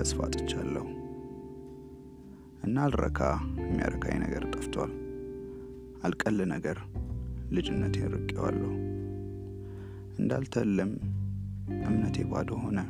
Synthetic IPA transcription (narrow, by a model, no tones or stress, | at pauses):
əsfat̪ʼɨ̥t͡ʃːalːəhu | ʔɨnːalɾə̰kʰajɛmːija̰ɾəkʰajnə̰ɡəɾt̪ʼɨft̪ʰwal | ʔalkʼəlːɨnəɡəɾ | lɨd͡ʒɪnːət̪ʰɾɨkʼːewalːəhu | ʔɨnd̪alt̪ʰəlːɨm | ʔɨmnət̪jebad̪oɦo̞nə